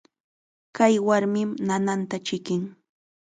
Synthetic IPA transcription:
kajwaɾmɪmnanant̪at͡ʃɪkɪŋ

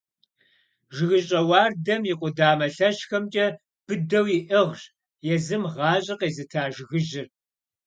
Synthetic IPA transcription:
ʒɪɣɨɕʼɐwɑːrdɐmjiqʷʼʊdaːmɐɬɐɕxɐmt͡ʃʼɐ | b̥ɨdɐwjiʔɨʁɕ | jɛzɨmʁɑːɕʼɐqeːzɨtʰaːʒɣɨʒɪr

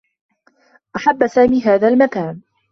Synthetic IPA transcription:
ʔaħabːsaːmiːɦaːðaːlmakaːn

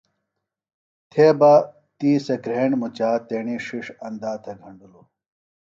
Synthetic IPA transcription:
t̪ʰeːbɐ | t̪iːsɐkɾeːɳɖmut͡ɕaːt̪eːɳiʂiʂɐnd̪aːt̪ʰɐɡʱɐɳɖulu

